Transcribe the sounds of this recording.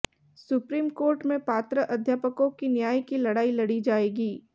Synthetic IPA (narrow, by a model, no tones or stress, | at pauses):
sʊpɾiːmkoːɾʈmẽpaːt̪ɾəʔɐd̪ʱjaːpəkõkinjaːjkilɐɽaːilɐɽid͡ʒaːeːɡiː